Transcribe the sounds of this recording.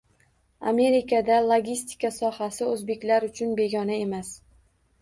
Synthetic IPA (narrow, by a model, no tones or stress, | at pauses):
a̰me̞ɾɪkʰad̪alˠoɡʲist̪ʰɪ̥kasɒhasɪɵzbe̞kʲlaɾʊt͡ʃʰʊnbe̞ɡʲɒnae̞mas